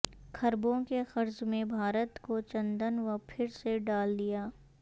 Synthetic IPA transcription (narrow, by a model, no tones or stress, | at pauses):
kʰɐɾbõkexɐɾd͡ʒmẽbʱaːɾət̪kot͡ʃɐ̃nd̪ənʋɐpʰɪɾseɖaːld̪ijaː